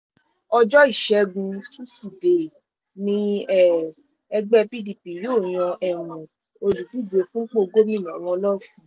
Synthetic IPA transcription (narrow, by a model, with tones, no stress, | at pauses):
ɔ˧d͡ʒɔ˦i˦˨ʃɛ˧˦ɡũ˧tu˦si˨de˨ | nĩ˧˦ɛ˦˨ | ɛ˧ɡ͡bɛ˦pi˦di˨pi˨joː˦˨j̃ɔ̃˧ʔɛ˦˨ɾũ˨ | o˧d͡ʒu˨bu˦˨d͡ʒe˧fũ˦k͡po˦˧ɡo˦ɾĩ˦˨nã˨ɾ̃ɔ̃˧˦lɔ˦sũ˦